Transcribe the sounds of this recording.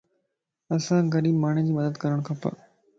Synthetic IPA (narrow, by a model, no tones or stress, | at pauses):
ɐsãɡɐɾiːbmaːɳ̤̃id͡ʑiːmɐd̪əd̪kɐɾəɽ̃kʰãːpɐ̰ɾ